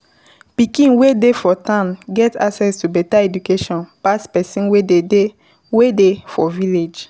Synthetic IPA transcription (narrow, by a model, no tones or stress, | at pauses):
pikĩnwedefɔtãnɡɛtaksɛstubɛtaɛdukeʃɔ̃npaspɛsĩnwedede | wedefɔviled͡ʒ